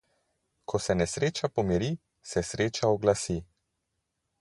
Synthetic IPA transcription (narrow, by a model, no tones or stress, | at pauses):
kʰɔsɛnɛsɾeːt͡ʃapɔmiɾi | sɛsɾeːt͡ʃaɔɡlasi